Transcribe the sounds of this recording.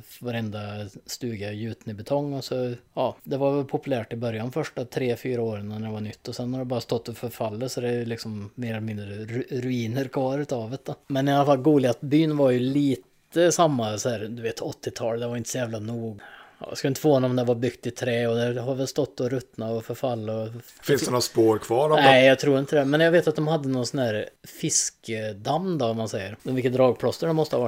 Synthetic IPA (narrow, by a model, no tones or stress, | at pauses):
vaɾɛnd̪ast̪ʉːɡajʉ̟ːt̪ənɪbɛt̪ʰɔŋːɔsɔjɑːd̪ɛvaɾvɛlpʰʊpɵlæːʈɪbœɾjanfœʂʈat̪ʰɾeːfyːɾaoːɾɪŋanæɛvaɳʏt̪ːɔsɛnːhaɾɖɛbɑːɾast̪ɔt̪ːɔfœɾfalːəsɔd̪ɛjlɪksɔmːeːɾɔlɛmɪnd̪ɾəɾɾʉiːnəɾkʰvɑːɾʉ̟ːt̪ɑːvət̪̚d̪ɔmɛnɪalːafalɡuːd̪lɪat̪byːnvaɾjʉliːt̪ | əsamːasɔhæːɾd̪ɵveːt̪ʰɔt̪ːɪt̪ʰɑːld̪ɛvaɾjɪnt̪ə̥sɔjæːvlanuːɡ̰j̰skaɪnt̪əfoːhɔnːɔmd̪ɛvaɾbʏkt̪ɪt̪ʰɾɛːɔd̪ɛhaɾvɛlst̪ɔt̪ːɔɾɵt̪ːnaɔfœɾfalːaɔ | fɪnsd̪ɛnɔt̪spoːɾkʰvɑːɖɔnɛɪjɑɡt̪ʰɾuːɾɪnt̪əd̪ɛmɛnjɑɡveːt̪at̪̚d̪ɔmhad̪ːənɔnsɔnhæːɾfɪskʰəd̪amd̪ɔvamansɛjːəɾvɪlkət̪d̪ɾɑːɡ̚pʰlɔst̪əɖɛmɔst̪əhavaʈ